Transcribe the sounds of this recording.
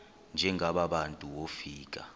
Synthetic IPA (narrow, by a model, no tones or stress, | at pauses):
nd͡ʒʱɛŋʱaɓaɓantʼuwofiːk̬ʼa